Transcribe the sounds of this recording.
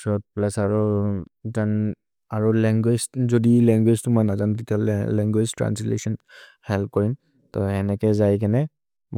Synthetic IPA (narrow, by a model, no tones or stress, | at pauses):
sɔt̚plɛsaɹɔzan | aɹɔlɛŋɡwezzodilɛŋɡweztʊmɔjnazantitialɛŋɡweztɹa̰nslḛsɔnhɛlp̚kɔɹin | tɔɛnɛkɛzajkɛnɛ